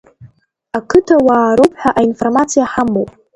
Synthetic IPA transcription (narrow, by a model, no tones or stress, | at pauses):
akʰɨtʰawaːɾowpʰʼħʷᶣaʔainformat͡sʰijaħamːowpʼ